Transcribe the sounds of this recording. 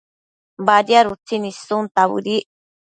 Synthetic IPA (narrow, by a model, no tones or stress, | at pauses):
baɾiaɾut͡sinisunt̪aβɨ̰ɾi